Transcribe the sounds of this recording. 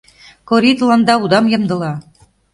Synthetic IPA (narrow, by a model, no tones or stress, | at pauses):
koɾʲit̪lˠɑnd̪ɑud̪ɑmjɤ̆md̪ɤ̆lɑ